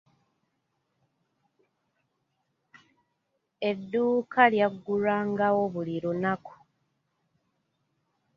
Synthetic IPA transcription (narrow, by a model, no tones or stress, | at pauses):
e̞dːuːkʰaljaɡːuɾaːŋɡawo̞βuliɾunaku̥